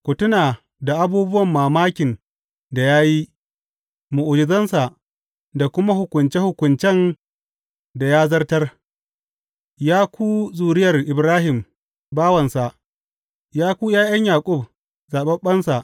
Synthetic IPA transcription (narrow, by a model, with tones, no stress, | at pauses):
kʷʊ˨tʊ˦naː˨ | da˨ʔa˦buː˦bʊ˦wɐ˨mːaː˨maː˦kʲɪ˨n | da˨jaː˦ji˦ | mu˨ʔʊ˨d͡ʒɪ˨zɐ˦nsa˨ʔ | da˨kʷʊ˦ma˦hʊ˨kʷʊ˨nt͡ʃe˦hʊ˨kʷʊ˨nt͡ʃɛ˦˨n | da˨jaː˦zɐ˦rtɐ˦r | jaː˦kʷʰuː˦zuː˨ɽɪ˦jɐ˨rʔɪ˨bɾaː˦ɦɪ˨m | baː˦wɐ˨nsa˨ʔ | jaː˦kʷuː˦jaː˦jɐ˦ɲjaː˨kʷʼʊ˦˨b̚ | zaː˨ɓɐ˦ɓɐ˦nsa˨ʔ